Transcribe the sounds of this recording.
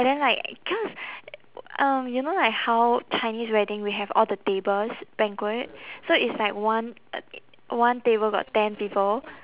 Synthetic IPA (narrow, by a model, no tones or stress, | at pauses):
badɛ̃nlaɪkkʰɔs | ʌ̃mjunolaɪkhawt͡ʃãɪnisɹɛdɪ̃ŋwiɦɛvɔ̰ldətebəlsb̥ɛ̃ŋkwət̚soitslaɪk̚wãn | wãntebəlɡɔ̰ttɛ̃npipəl